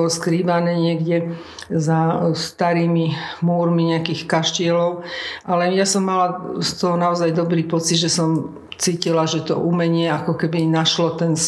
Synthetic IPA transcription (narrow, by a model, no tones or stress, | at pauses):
ɔskɾiːʋanɛːɲɪɛɡɟɛ | zast̪aɾiːmimuːɾmiɲɛakiːxkaʃcɪɛlɔʊʔalɛjasɔmːalast̪ɔɦɔnaɔzajd̪ɔbɾiːpɔt͡sid̪ʒɛsɔm | t͡siːcilaʒɛt̪ɔ̰ʔumɛɲɪɛakɔkɛbinaʃlɔt̪ɛns